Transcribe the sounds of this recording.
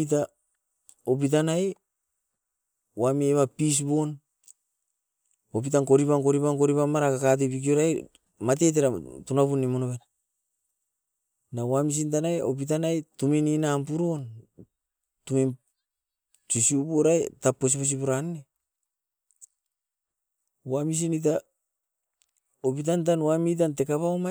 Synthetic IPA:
t̬a | op̬it̬anaj | wamieβapis̬bo̞n | op̬itaŋko̞ɾipaŋko̞ɾipaŋkoɾipamaɾakakat̬ebik̬ioɾaj | mat̬e̞t̬eɾatunapunːimonoβena | nawamis̬intanajo̰p̬it̬anajtumininampuɾo̞n | tumin | tisiupoɾajtapːos̬ipos̬ipuɾanːe | wamis̬init̬a | opit̬ant̬anwamit̬ante̞kaβaoma

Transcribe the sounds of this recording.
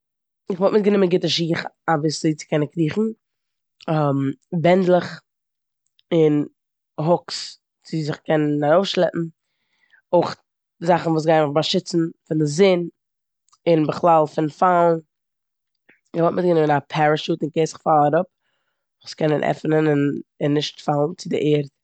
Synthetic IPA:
ɪχvɔlˠtmɪt̚ɡənɪmənɡɪtəʃiːχavɪsziɪt͡sɪ̥kɛnənkɾiːχn̩ | mbɛndlˠəχ | ɪn | ɦʊks | t͡sɪzɪχkɛnənaɾoʊfʃlˠɛpm̩ | oɪχ | zaχn̩vuːs̬ɡaɪnməχbaʃɪt͡sn̩fɪndɪzɪn | ɪnbəχlˠalˠfɪnfalˠn | ɪvɔltmɪt̚ɡənɪmənapʰaɾəʃuːtɪnkeɪsɪ̥χfalˠaɾʊp̚ | skɛnənʔɛ̰fnənɪnɪnːɪʃtfalˠn̩t͡sɪdɪʔeːɾt̚

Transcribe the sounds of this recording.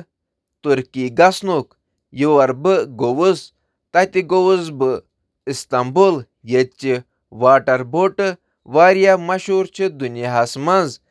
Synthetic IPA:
t̪uɾkiɡɐsnok | juwɐɾbɨɡowuz | t̪ɐt̪iɡowuzbɨ | ist̪ɐmbul | jet̪̚t͡ʃi | ʋaːʈɐɾboːʈɨ | ʋaːɾjamɐʃuːɾt͡ʃʰid̪unjaɦɐsmɐnz

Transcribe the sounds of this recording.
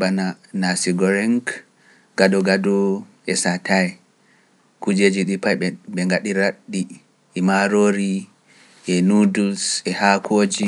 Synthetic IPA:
bananasiɡɔɾɛŋk | ɡ̥adɔɡadɔʔɛsatʰaɛ | kud͡ʒed͡ʒiɗipajɓɛŋɡaɗiɾaɗːiː | maɾoɾi | ʔɛnudusɛhakʰoːd͡ʒi

